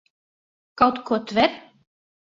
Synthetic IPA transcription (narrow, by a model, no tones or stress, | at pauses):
kawt̪kʰɔt̪vɛɾ